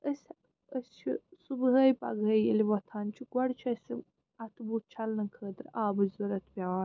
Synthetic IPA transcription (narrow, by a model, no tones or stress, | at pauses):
əsʲ | əsʲt͡ʃʰisubɦɐjpɐ̰ɡɐjeliʋɐt̪ʰaːnt͡ʃʰiɡwɐɽt͡ʃʰɐsʲɨ | ɐt̪ʰbut̪̚t͡ʃʰɐlnɐkʰəːd̪ɨɾaːbɨzzɐɾɐt̪ʰpʲaʋaːn